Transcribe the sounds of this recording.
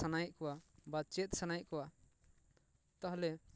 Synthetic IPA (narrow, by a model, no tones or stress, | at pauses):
anajʔ̚ˀkɔwabat͡ʃɛt̪̚ˀsanajʔ̚kɔwa | t̪aɦlɛ